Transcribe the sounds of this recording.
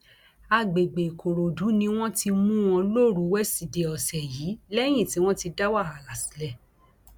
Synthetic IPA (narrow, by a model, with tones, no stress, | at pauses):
a˧˨ɡ͡be˨ɡ͡be˨kʰo˨ɾo˨du˨˦nĩ˧w̃ɔ̃˦ti˧mũ˦w̃ɔ̃˧lo˦˨ɾu˨˦wɛ˦si˨de˨ɔ˨sɛ˨jiː˨˦lɛ˦j̃ĩ˦˨ti˨˦w̃ɔ̃˦ti˧da˦wa˦˨a˨la˨si̥˨˦lɛ˦˨